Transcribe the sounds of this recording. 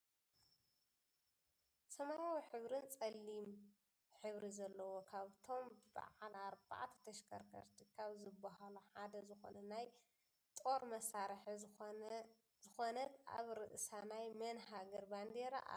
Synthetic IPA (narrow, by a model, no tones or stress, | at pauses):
sɐmajawiħɨβɾɨnt͡sʼɐlːim | ħɨβɾizɐlːɐwokʰaβt̪ʰo̞mba̰ʕalaɾba̰ʕt̪ʰɐ̥t̪ʰɐʃkʰɐ̰ɾkʰɐ̰ɾt̪ʰikʰaβzɨbahaluħad̪ɐzɨxo̞̰nɐnaj | t̪ʼo̞ɾmɐsaɾħ | zɨxonɐt̪ʔa̰βɾɨʔɨsanajmɐnɦaɡɐɾband̪eɾa̰ʔa̰